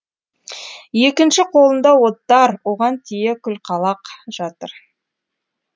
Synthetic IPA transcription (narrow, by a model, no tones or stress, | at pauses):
je̞kʲɪnʃɪqʰo̞lˠənd̪ɑwo̞t̪ːɑɾwo̞ʁɑnt̪ʰijekʲʰʏlqʰɑlˠɑqʒ̥ɑt̪əɾ